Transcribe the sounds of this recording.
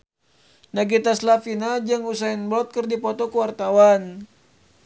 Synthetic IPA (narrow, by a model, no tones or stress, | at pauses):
naɡit̪aslafinad͡ʒaŋusainblɔt̪̚kərdipɔt̪ɔkuwart̪awan